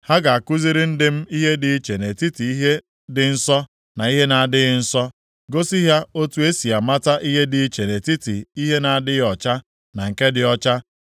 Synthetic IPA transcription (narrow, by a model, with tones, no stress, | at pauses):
ha˦ɡa˨a˨ku˦zi˦ɾɪ˦n̩˦dɪ˦m̩˦i˦ɦe˦dɪ˨˦t͡ʃe˨ne˨ti˦ti˨i˦ɦe˦ | dɪ˨n̩˦sɔ˦ | na˨i˦ɦe˦na˨a˨dɪ˦ɣɪ˨n̩˦sɔ˦ | ɡo˦si˦ɦja˦o˦tu˦e˦si˨a˨ma˦ta˦ʔi˦ɦe˦dɪ˨˦t͡ʃe˨ne˨ti˦ti˨i˦ɦe˦na˨a˨dɪ˦ɔ˨t͡ʃa˦ | na˨ŋ̩˨ke˦dɪ˨ɔ˦t͡ʃa˦